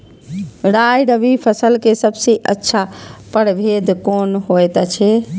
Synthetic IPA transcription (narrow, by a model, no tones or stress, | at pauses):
ɾajɖəbipʰəsəlkesəbseʔətːʃʰapəɽbʱed̪konɦojt̪t͡ʃʰɛ